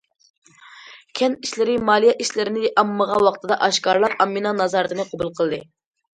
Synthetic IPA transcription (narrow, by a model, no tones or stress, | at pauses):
kʲʰɛniʃlɪɾɪmɑːlˠijɛʔiʃlɪɾɪnɪʔɑmːəʁɑwɑqt̪ʰɨd̪ɑʔɑʃkɑɾlˠɑɾɑmːinɑnɑzɑɾɨt̪ɨnɨqʰobulˠqʰəlˠɨd̪ɨ